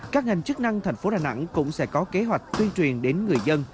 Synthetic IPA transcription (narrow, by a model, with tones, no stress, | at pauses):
kaː˦˥k̚ŋa˨˩jŋ̟t͡ɕɨ˦˥k̚na˧ŋt̪ʰa˨˩jŋ̟fo˨˦ɗaː˨˩na̰˧˥ŋkʊ̰˧˥ŋ͡msɛ̰˧˥kɔ˨˦ke˨˦ɦwa˨˩jk̟̚t̪wi˧ənt͡ɕwi˨˩ənɗe˨˦nŋɨ˨˩əjzə˧n